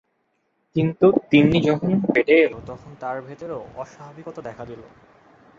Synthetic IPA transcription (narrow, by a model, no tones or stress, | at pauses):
kint̪ut̪inːid͡ʑɔkonbeʈeelot̪ɔkʰont̪aɾbʱet̪oɾoɔʃababikot̪ad̪ɛkʰad̪ilo